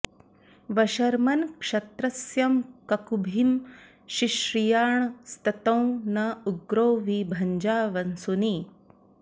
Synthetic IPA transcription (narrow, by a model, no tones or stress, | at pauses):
ʋɐʃɐɾmɐnkʂɐt̪ɾɐsjɐmkɐkubʱim | ʃiʃɾijaːɳst̪ɐt̪ɐ̃w̃nɐuɡɾoːʋibʱɐɲd͡ʒaːʋɐnsuni